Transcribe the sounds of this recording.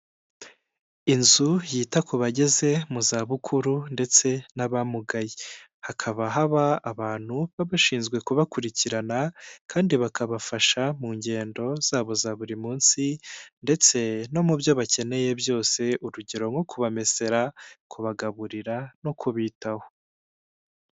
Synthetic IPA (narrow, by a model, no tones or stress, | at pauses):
inzujiːtakʰuβaɟe̞ze̞muzaːβukʰuɾunde̞t͡se̞naβamuɡaji | hakʰaβaɦaβaːβaːn̥huβaβaʃiːnzɡwe̞kuβakuɾiciɾanakʰaːndiβakaβafaʃamuːɲɟe̞ːndo̞z̥aːβo̞zaβuɾimuːnsinde̞t͡se̞no̞mubjo̞βace̞ne̞je̞bjo̞ːse̞ʔuɾuɟeɾo̞ŋɡo̞kuβame̞se̞ɾakuβaɡaβuɾiɾano̞kʰuβiːtaho